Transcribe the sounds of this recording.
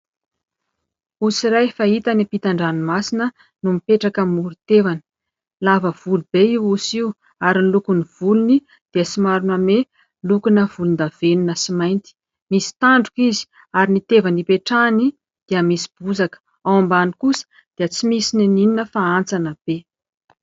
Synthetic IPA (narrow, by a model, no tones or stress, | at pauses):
usiɾajfait̪anipit̪aɳɖ͡ʐanimasinə | numipeʈ͡ʂakəmuɾut̪evanə̥ | lavəv̥ulub̥eiwusiw | aɾinilukuniv̥uluni | d̪̥iəsimaɾuname | lukunəv̥ulund̪av̥eninəsimajnt̪i̥ | misi̥t̪aɳɖ͡ʐukizi̥ | aɾinit̪evanipeʈ͡ʂani | d̪̥eəmisi̥b̥uzakə̥ | awambanikusə̥ | d̪̥eət͡simisininininəfaant͡sanəb̥e